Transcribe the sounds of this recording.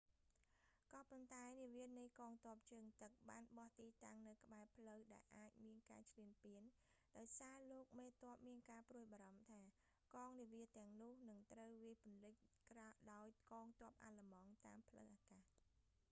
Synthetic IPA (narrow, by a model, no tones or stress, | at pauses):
kɑːpont̪aɛniəʋiənɨjkɑːŋt̪ŏəp̚t͡ɕəːŋt̪ɨk̚ɓaːnɓɑht̪iːt̪aŋnɨwkə̆ɓaɛpʰləwɗaɛlʔaːc̚miənka̰ːt͡ɕʰliənpiənɗaɔjsaːloːk̚meːt̪ŏəp̚miənkaːpruəjɓaːɾɑmt̪ʰaː | kɑːŋniəʋiət̪ɛ̆əŋnʊ̆əhnɨŋt̪rəwʋiəjpʊ̆ənlɨc̚kraɗaɔjkɑːŋt̪ŏəp̚ʔa̰ːləmɑŋt̪aːmpʰləwʔaːkaː